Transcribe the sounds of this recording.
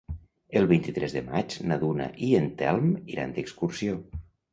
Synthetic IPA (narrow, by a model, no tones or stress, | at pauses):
əlˠβint̪it̪ɾʔɛzðəma̰d͡ʒnaðunə̰ʔiənt̪ɛlˠmiɾa̰nd̪əkskursio